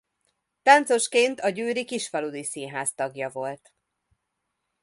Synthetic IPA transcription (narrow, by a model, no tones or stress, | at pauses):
t̪ɒnt̪so̞ʃkeːnt̪ɒɟøːɾikiʃfɒlud̪isinɦaːst̪ɒɡjɒvo̞lt̪